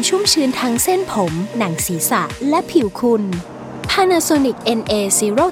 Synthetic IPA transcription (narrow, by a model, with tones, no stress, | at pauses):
t͡ɕʰu˥˩mt͡ɕʰɯː˧nt̪ʰa˦˥ŋse˥˩npʰo˩˦mna˩˦ŋsiː˩˦sa˨˩ʔlɛ˦˥pʰi˩˦wkʰu˧n | pʰaː˧naː˧soː˧ni˨˩k̚ʔe˧nʔeː˧si˧˥ɾoː˥˩